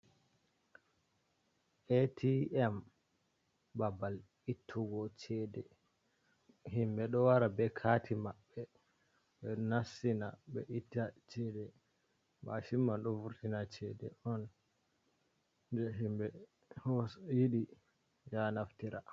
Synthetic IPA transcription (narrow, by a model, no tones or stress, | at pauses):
ʔɛtʰiɛm | babal | itʰːuɡɔt͡ʃɛdɛ | himɓɛɗɔwaɾabɛkʰatʰimaɓːɛ | ɓɛnasinaɓɛ̰ʔitːat͡ʃɛdɛ | ma̰ʃimːanɗɔvuɾtinat͡ʃɛdɛɔn | dɛɦimbɛ | hɔsjiɗi | janaftiɾa